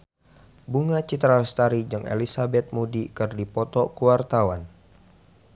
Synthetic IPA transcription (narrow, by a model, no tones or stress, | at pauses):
buŋat͡ʃit̪ɾalst̪aɾid͡ʒɨŋʔḛlisabɛt̪̚mudikɨrdipɔt̪ɔkuwart̪awan